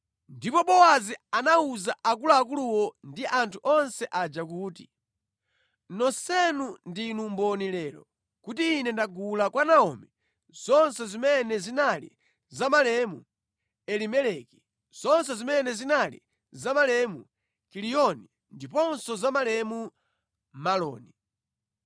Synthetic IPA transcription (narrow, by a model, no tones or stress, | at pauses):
ndipɔɓɔwazianauzaʔak̬ulaːk̬uluwɔndiʔantʰuʔɔnsɛʔad͡ʒak̬uːti | nɔsɛnundinumbɔnilɛlɔ̰ | kutiːnɛndaɡulakwanaɔmɛ | z̥ɔnsɛzimɛnɛzinalḭ | zamalɛmu | ɛlimɛlɛki̥ | z̥ɔnsɛzimɛnɛzinalḭ | zamalɛmu | kilijɔni | ndipɔnsɔzamalɛmu | malɔ̰ːni